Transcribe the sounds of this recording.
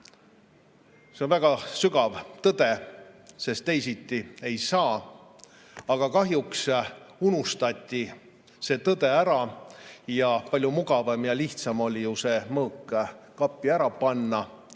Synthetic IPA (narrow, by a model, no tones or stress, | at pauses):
se̞onvæɡ̥ɑsyɡɑvt̪ɤd̪̥e̞se̞st̪ːe̞jsit̪ːˑie̞jsɑː | ɑɡ̥ɑkɑɦjuksunust̪ɑt̪ʲːi | se̞ːt̪ɤd̪̥e̞æɾɑ | jɑpɑlʲjumuɡɑvɑmjɑliht̪sɑmo̞lʲijuse̞ːmɤːkːkɑpːˑiæɾɑpɑnːɑ